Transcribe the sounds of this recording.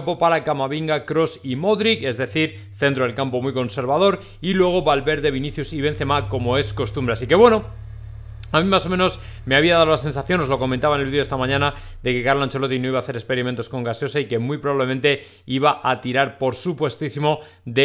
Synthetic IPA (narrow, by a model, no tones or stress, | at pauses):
mpo̞paɾakamaβiŋɡakɾo̞simo̞ðɾike̞zðe̞θiɾ | θe̞nt̪ɾo̞ðe̞lkampo̞mujko̞nse̞ɾβað̞o̞ɾ | ilwe̞ɣ̞o̞βalβe̞ɾðe̞β̞iniθjusiβe̞n̟θe̞mako̞mo̞e̞sko̞st̪umbɾe̞asike̞βwe̞no | amĩmaso̞meno̞s | me̞aβiaðaðolase̞nsaθjo̞no̞zloko̞mẽ̞nt̪aβanelβiðo̞est̪amãɲãnaðe̞ke̞kaɾlãnt͡ʃolo̞t̪ino̞iβaːθe̞ɾekspe̞ɾimẽ̞nt̪o̞sko̞ŋɡasjo̞saike̞mujpɾo̞βaβle̞mẽ̞nt̪e̞ | iβ̞aʔat̪iɾaɾpo̞ɾsupwe̞st̪isimo̞ | ðe